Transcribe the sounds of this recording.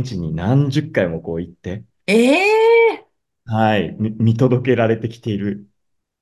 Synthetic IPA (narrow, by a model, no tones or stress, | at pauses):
t͡ɕiɲ̟inãɲd͡ʑɨkːaimo̞ko̞ːit̪ːe̞ | e | haimmʲit̪o̞d̪o̞ke̞ɾaɾe̞t̪e̞kʲi̥t̪e̞iɾɯ̟